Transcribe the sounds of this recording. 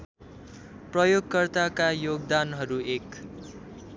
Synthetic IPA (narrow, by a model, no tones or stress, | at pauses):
prʌjoɡkʌrt̪akajoɡ̚d̪anɦʌɾuek